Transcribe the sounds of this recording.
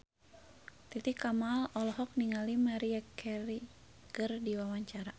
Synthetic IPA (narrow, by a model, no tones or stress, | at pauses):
t̪it̪ikamalɔlɔɦɔk̚niŋalimaɾiakɛɾi | kɨrdiwawaɲt͡ʃaɾa